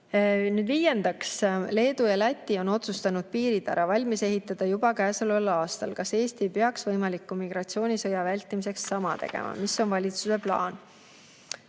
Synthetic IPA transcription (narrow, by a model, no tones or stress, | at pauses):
nyːd̪viːjend̪̥ɑksle̞ːd̪̥ujɑlæt̪ʲːˑio̞no̞t̪sust̪ɑnud̪̥̚piːɾid̪̥æ̰ɾɑvɑlʲmise̞ɦit̪ːˑɑd̪̥ɑjubɑkæːselolɑːst̪ɑlkɑse̞ːst̪iejpeɑksvɤjmɑlikːˑumiɡ̥ɾɑt̪sio̞ːnʲisɤjɑvælʲt̪ːˑimise̞ksːɑmɑt̪e̞̰ɡ̥ḛmʔɑ̰miso̞nvɑlʲit̪suse̞plɑ̰ːn